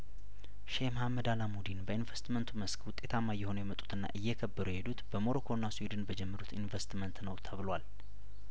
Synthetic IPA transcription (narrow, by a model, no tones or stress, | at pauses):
ʃemhamːəd̪alamud̪inbəinvəst̪mənt̪ʰuməskwʊt̪ʼːe̞t̪ʰamːajːɛho̞nujɛmət̪ʼu̥t̪ʰɨnːa̰ʔɨjːɛkʰəbːəɾuhe̞d̪ut̪b̥əmo̞ɾokʰo̞nːaswid̪ɨnbəd͡ʒɛmːəɾut̪ʰinvəst̪mənt̪nəwt̪ʰəβɨlwal